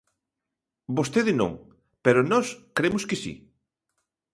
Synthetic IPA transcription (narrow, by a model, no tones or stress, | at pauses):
bost̪eðɪnõ̰ŋ | peɾʊnɔskɾemʊskɪsḭ